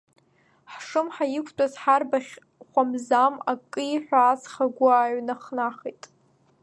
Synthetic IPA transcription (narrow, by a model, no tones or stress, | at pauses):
ħʂɨmħajɪkʷʰtʷʼazħarbaχʲ | χʷamzamakʼːɨiħʷᶣaːt͡sχaɡʷaaːɥnaχnaχejtʼ